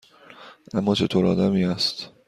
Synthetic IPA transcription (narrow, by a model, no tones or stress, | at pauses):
ʔæmːɒːt͡ʃʰe̞t̪ʰoːɾɒ̰ːd̪æmiːæst̪